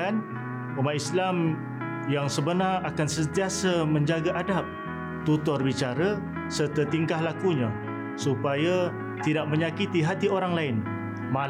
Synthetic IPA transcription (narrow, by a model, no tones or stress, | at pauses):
an | umaislam | jaŋsəbənarakansənt̪iasamə̃ɲd͡ʒaɡaʔadap̚ | t̪ut̪ɔrbit͡ʃaɾa | sərt̪ət̪iŋkahlakuɲa | supaja | t̪idaʔ̚mə̃ɲakit̪iɦat̪ioɾaŋlaɪn | ma